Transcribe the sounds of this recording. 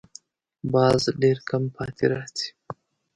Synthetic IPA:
bɑːzɖeɾkampʰɑːt̪ʰeɾat͡si̥

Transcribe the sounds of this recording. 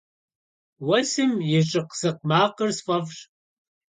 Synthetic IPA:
wɐsɨmjɪɕʼɪqzɨqmaːqərsfʼɐfɕ

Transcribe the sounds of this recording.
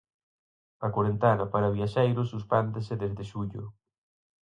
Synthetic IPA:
ɐkwoɾent̪anɐpaɾɐβiaʃejɾʊsuspɛnd̪esɪðezðɪʃuʎʊ̰

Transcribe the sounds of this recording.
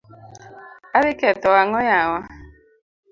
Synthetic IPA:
aɾɪkɛtɔwaŋɔjawa

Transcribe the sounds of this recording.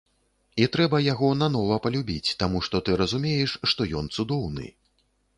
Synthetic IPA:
it̪ɾɛbɐjaɣɔnan̪ɔvɐpɐlʲubʲit͡sʲt̪amuʂt̪ɔt̪ɨɾɐzumʲejɛʂʂt̪ɔjɔnt̪sud̪ɔwnɨ̰

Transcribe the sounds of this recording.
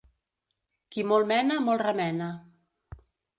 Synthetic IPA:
kimolˠmɛnamolˠrəmɛna

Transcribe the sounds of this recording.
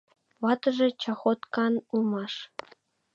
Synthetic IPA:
ʋɑt̪ɤ̆ʐĕt͡ɕɑχot̪kɑnulˠmɑʂ

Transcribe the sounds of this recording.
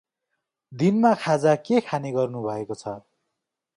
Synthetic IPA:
d̪inmakʰad͡zakekʰaniɡʌrnubʱʌekot͡sʰʌ

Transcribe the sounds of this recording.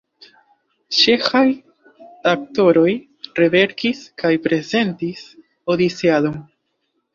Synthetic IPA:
t͡ʃe̞xaj | ak̚to̞ɾo̞j | reve̞ɾkiskʰajpɾe̞ze̞ntis | o̞dit͡sialom

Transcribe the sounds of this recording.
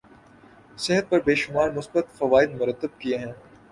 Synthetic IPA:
sɪɦət̪̚pɐɾbeːʃʊmaːɾmʊsbət̪fɐʋaːɪd̪̚mʊɾət̪ːəb̚kieɦɛ̃ː

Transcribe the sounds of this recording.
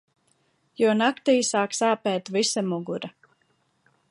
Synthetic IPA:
juɔnakt̪iːsaːksaːpɛːt̪visamuɡuɾa

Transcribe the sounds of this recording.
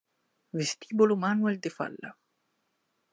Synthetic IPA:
vest̪iːbolumaːnwɛld̪ɪfa̰lːa̰

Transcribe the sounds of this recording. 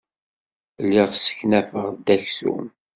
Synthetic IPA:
lːɪʁsə̥çnæfəʁd̪æçsṵm

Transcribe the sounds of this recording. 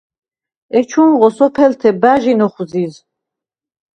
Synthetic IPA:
ɛt͡ʃʰunʁɔsɔpʰɛlt̪ʰɛbaʒinɔχziz

